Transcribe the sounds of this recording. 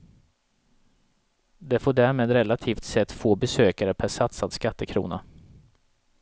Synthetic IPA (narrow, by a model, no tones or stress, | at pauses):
d̪ɛfoːɖæːɾmeːd̪ɾɛlat̪ʰiːft̪sɛt̪ːfoːbɛsøːkaɾəpʰæʂat̪sad̪skat̪ːəkʰɾṵːna̰